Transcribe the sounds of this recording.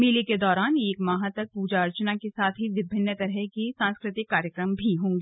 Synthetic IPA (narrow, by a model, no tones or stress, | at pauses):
meːliked̪ɔːɾaːneːkmaɦat̪ɐk̚puːd͡ʒaɾt͡ʃənakesaːt̪ʰɦiʋɪbʱɪnːət̪ɐɾɦekisãːnskɾɪt̪ɪkːaːɾjəkɾəmbʱiɦõːŋɡiː